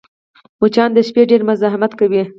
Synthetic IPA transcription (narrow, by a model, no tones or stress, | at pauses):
mut͡ʃɑnd̪əʃpeɖeɾmʊzɑɦɪmat̪kawi